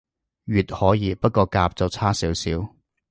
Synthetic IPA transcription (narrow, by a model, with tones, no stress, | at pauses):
ɥyː˨˩t̚hɔː˨˥jiː˨˧pɐ˥t̚kɔː˧kaː˧p̚t͡sɐ˨˧wt͡sʰaː˥siː˨˥wsiː˨˥w